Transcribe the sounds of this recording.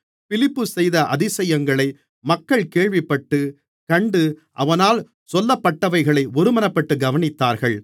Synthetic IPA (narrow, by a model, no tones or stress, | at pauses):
fɪlɪpːɯsɛjðɐʔɐðɪsɐjɐŋɡɐɭɐɪ | mɐkːɐɭkeːɻʋɪpːɐʈːɯ | kɐɳɖɯʔɐʋɐnaːl | sɔlːɐpːɐʈːɐʋɐɪɣɐɭɐɪʔɔɾɯmɐnɐpːɐʈːɯɡɐʋɐnɪt̪ːaːɾɣɐɭ